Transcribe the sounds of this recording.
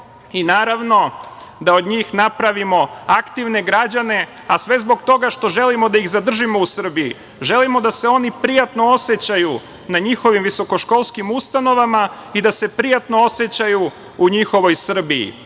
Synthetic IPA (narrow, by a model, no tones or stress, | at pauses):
inaːɾaʋno̞d̪ao̞d̪ɲiːxnapɾaʋimo̞akt̪iʋne̞ɡɾad͡ʑane̞ | asʋe̞zbo̞ɡt̪o̞ɡaʃt̪o̞ʒe̞limo̞d̪aiɣzad̪r̩ʒimo̞usr̩biḭ | ʒe̞limo̞d̪ase̞o̞nipɾijat̪no̞ose̞t͡ɕaju | naɲixo̞ʋimʋiso̞ko̞ʃko̞lˠskimust̪ano̞ʋamaid̪ase̞pɾijat̪no̞ose̞t͡ɕaju | uɲixo̞ʋo̞jsr̩biḭ